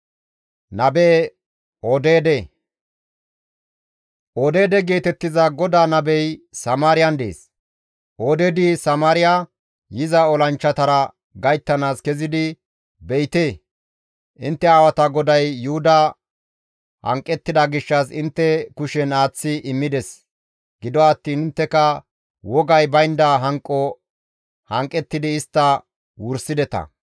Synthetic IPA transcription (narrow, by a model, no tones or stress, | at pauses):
nɐbeː | od̪eːd̪e | ʔod̪e̞ːd̪ɛɡe̞ːt̪ɛt̪ːɪzɐɡɔd̪aːnɐbɛjsɐmaːɾɪjɐnd̪ḛːs | ʔoːd̪eːd̪isɐmaːɾɪja | jɪzɐɔlɐnt͡ʃːɐt̪ɐɾɐ | ɡɐjt̪ːɐnaːskɛzɪd̪ɪ | bɛjt̪eː | ʔɪ̰nt̪ːɛaːwɐt̪ɐɡɔd̪ɐjːʊhʊd̪ɐ | hɐ̰ŋkʼːɛt̪ːɪd̪ɐɡɪʃːɐs̬ɪnt̪ːɛkʊʃɛnaːt͡sːɪʔɪmːɪd̪ɛs | ɡ̥ɪd̪ɔːt̪ːiːnɪnt̪ːɛkɐ | wɔɡɐjbɐjnd̪ɐɦɐŋkʼːɔ | hɐŋkʼːɛt̪ːɪd̪ɪːɪst̪ːɐ | wʊɾsɪd̪ɛt̪ɐ̰